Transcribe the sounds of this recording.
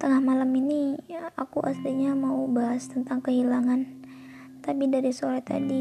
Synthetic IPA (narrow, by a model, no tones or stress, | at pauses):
t̪əŋahmalaminiakuʔa̰st̪iɲamaubaɦast̪ənt̪aŋkəɦilaŋan | t̪apidaɾisoɾat̪a̰di